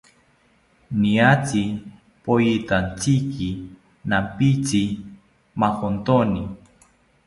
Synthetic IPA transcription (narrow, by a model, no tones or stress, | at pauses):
niat͡si | pojit̪ant͡siki | nampit͡si | maxont̪oni